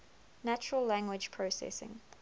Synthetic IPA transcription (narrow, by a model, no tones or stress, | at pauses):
næt͡ʃəɹəlːæ̃ŋɡwɪd͡ʒpʰɹosɛ̰sɪ̰̃ŋ